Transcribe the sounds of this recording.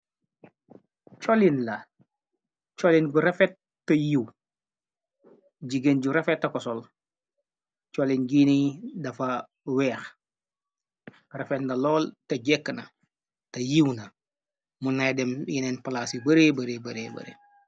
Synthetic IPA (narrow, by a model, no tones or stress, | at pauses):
t͡ʃolinlɐ | t͡ʃolinɡuɾefet̚ː | ɐjiw | ɟiɡenɟuɾefetːɐkɔsol | t͡ʃolinɡiːnidɐfɐ | wɛːx | refetndɐlɔːltɐɟekːnɐ | tɐjiwnɐ | munajdemjinenpalaːsibɐɾeːbɐɾebɐɾeːbɐ̰ɾḛ